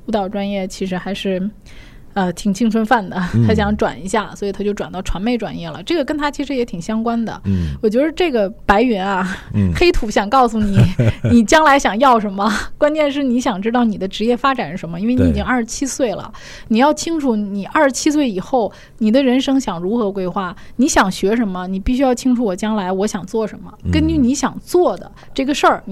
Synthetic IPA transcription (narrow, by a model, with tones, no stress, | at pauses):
u˧˥t̪ɑ˨˩ʊʈ͡ʂwa˥njɛ˥˩t͡ɕʰi˧˥ʂɻ̩˧˥xa˧˥ɪʂɻ̩˥˩ | ə˧t̪ʰi˨˩ŋt͡ɕʰi˥ŋʈ͡ʂʰwə˥nfa˥˩nd̪ə˩t̪ʰa˥ɕ̬jɑ˧˥ŋʈ͡ʂwa̰˨˩ni˧˥ɕja˥˩swɔ˧˥i˨˩t̪ʰa˥t͡ɕjo˥˩ʊʈ͡ʂwa˨˩nt̪ɑ˥˩ʊʈ͡ʂʰwa˧˥nme˥˩ɪʈ͡ʂwa̰˨˩njɛ˥˩lə̰˩ʈ͡ʂɤ˥˩ɡə˩kə˥nt̪ʰa˥t͡ɕʰi˧˥ʂɻ̩˧˥jɛ˧˥t̪ʰi˨˩ŋɕjɑ˥ŋkwa˥nd̪ə̰˨wɔ˨˩t͡ɕwɛ˧˥ʂɻ̩˥˧ʈ͡ʂɤ˥˩ɡə˩pa˧˥ɪy˧˥nɐ˧xe˥ɪt̪ʰu˧˥ɕjɑ˨˩ŋkɑ˥˩ʊsu˨˩ni˨˩˦ni˨˩t͡ɕjɑ˥ŋla˧˥ɪɕjɑ˨˩ŋjɑ˥˩ʊʂə˧˥nmə˧kwa˥nt͡ɕjɛ˥˧nʂ̬ɻ̩˥˩ni˧˥ɕ̬jɑ˨˩ŋʈ͡ʂɻ̩˥t̪ɑ˥˩ʊni˨˩d̪ə˦ʈ͡ʂɻ̩˧˥jɛ˥˩fa˥ʈ͡ʂa˨˩nʂɻ̩˥˩ʂə˧˥nmə˧i˥nwe˥˩ɪ˧ni˧˥i˨t͡ɕi˥ŋa˥˩ʂɻ̩˧˥t͡ɕʰi˥swe˥˩ɪlə̰˩ | ni˨˩jɑ˥˩ʊt͡ɕʰi˥ŋʈ͡ʂʰu˥˩ni˨˩ʔa˞˥˧˩ʂɻ̩˧˥t͡ɕʰi˥s̬we˥˩ɪi˨˩xo˥˩ʊ | ni˨˩d̪ə˦ɻə˧˥nʂɤ˥ŋɕjɑ˨˩ŋɻu˧˥xɤ˧˥kwe˥ɪxwa˥˩ni˧˥ɕjɑ˨˩ŋɕɥɛ˧˥ʂə˧˥nmə˧ni˨˩pi˥˩ɕy˥jɑ˥˧ʊt͡ɕʰi˥ŋʈ͡ʂʰu˧˥wɔ˨˩t͡ɕjɑ˥ŋla˧˥ɪwɔ˧˥ɕjɑ˨˩ŋt͡swɔ˥˩ʂə˧˥nmə̰˧kə˥nt͡ɕy˥˩ni˧˥ɕjɑ̰˨˩ŋt͡swɔ˥˩d̪ə̰˩ | ʈ͡ʂɤ˥˩ɡə˩ʂə˞˥˩